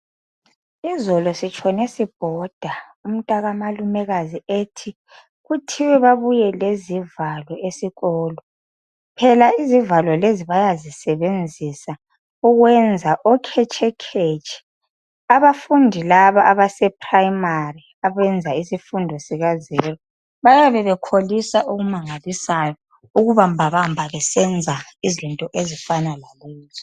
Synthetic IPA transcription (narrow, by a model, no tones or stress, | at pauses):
izɔlɔsit͡ʃʼʰɔnesib̥ʱɔd̥ʱaum̩tʼaɣamalumɛɣazieːtʰi | ɣutʰiwɛβaβujɛlezivalɔesiɣɔːlɔ | pʰɛlaizivalɔleziβajazisɛβend͡zʱisa | uɣwɛnd͡zʱaʔɔkʰɛt͡ʃʰɛkʰet͡ʃʼʰɛ̥ | aβafundʱilaβaʔaβasɛpʰʼrajimari | aβɛnd͡zʱaisifundʱɔsiɣazɛrɔ | βajaβɛβɛkʰolisaʔuɣumaŋalisajɔ | uɣuβambʱaβambʱaβɛsɛnd͡zʱaizintʼɔʔezifanalalɛːzɔ